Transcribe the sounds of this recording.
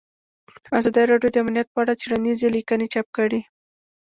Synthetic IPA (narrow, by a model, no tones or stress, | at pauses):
azɑd̪əjɾɑɖjod̪əamnjat̪̚pəaɽat͡seɽanizelikənet͡ʃap̚kəɽi